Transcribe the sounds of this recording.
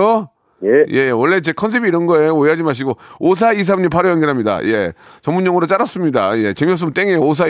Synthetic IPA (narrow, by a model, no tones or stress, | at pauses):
o | je̞wʌɭːe̞t͡ɕe̞kʰʌns̬ʰe̞biːɾʌnɡʌejooiɦad͡ʑimaɕ̬ʰiɡoos̬ʰais̬ʰamɲipʰaɾɯjʌŋɡiɭɦamɲida̰je̞̰t͡ɕʌŋmuɲːʌŋɯɾot͡ɕ͈aɾas͈ɯmɲida̰je̞t͡ɕemjos̬͈ɯmɯnt͈eŋejoos̬ʰa